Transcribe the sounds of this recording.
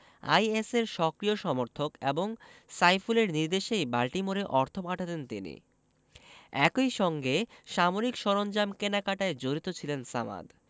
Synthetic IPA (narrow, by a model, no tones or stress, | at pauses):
a̰jeseɾʃɔkɾioʃɔmoɾt̪ʰokeboŋsajfuleɾniɾd̪eʃejbalʈimoɾeʔɔɾt̪ʰopaʈʰat̪ent̪inḭ | ɛ̰kojʃɔŋɡeʃamoɾikʃɔɾond͡ʑamkenakaʈaed͡ʑoɾit̪ot͡ɕʰilensa̰ma̰d̪